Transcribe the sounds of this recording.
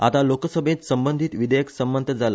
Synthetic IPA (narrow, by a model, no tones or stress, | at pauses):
at̪aloksəbʱẽt̪səmbənd̪ʱit̪ʋid̪ʱəjəksəmbənt̪ʰəd͡zala